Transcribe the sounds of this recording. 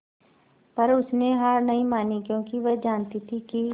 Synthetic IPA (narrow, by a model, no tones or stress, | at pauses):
pɐɾʊsneɦaɾnɐĩmaːnikjõːkiʋɛd͡ʒaːnt̪it̪ʰiki